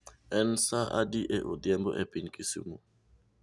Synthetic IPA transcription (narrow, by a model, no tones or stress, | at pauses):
ɛn̩saa̰diʔeʔodjɛmboʔɛpin̩kisṵmo